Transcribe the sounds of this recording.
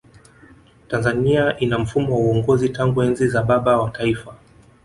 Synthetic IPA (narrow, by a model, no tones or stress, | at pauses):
tanzaniaʔinam̩fumɔwauɔŋɡɔzitaŋɡuɛnzizaɓaɓawataifa